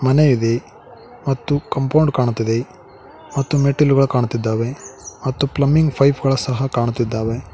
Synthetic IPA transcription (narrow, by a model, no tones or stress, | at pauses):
mɐnejid̪e̞ | mɐt̪ːukɐmpɐwɳɖkaːɳut̪ːid̪e | mɐt̪ːumeʈːiluɡɐɭɐkaːɳut̪ːid̪ːaːʋemɐt̪ːuplɐmːiŋɡpʰɐjpʰɡɐɭɐsɐɦɐkaːɳut̪ːid̪ːaːʋe